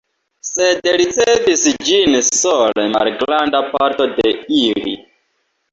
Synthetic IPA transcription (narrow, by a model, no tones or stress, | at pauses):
se̞dɾit͡sevisd͡ʒinsolema̰lɡɾandapaɾto̞de̞ilḭ